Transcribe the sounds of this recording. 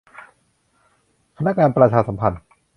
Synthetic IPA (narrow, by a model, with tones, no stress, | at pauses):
kʰa˧na˦˥k̚ŋaː˧npɾa˧t͡ɕʰaː˧sa˩˦mpʰa˧n